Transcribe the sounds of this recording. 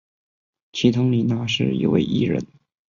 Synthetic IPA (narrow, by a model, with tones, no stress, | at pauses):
t͡ɕʰi˧˥t̪ʰʊ˧˥ŋli˨˩na˧˥ʂɻ̩˥˩jḭ˧˩wḛ˥˧ɪʔḭ˥˩ɻə̰˧˥n